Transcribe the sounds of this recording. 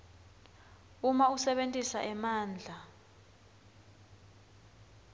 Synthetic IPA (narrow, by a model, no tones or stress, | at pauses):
umausɛɓentʼisaʔɛmaːnd͡ɮʱa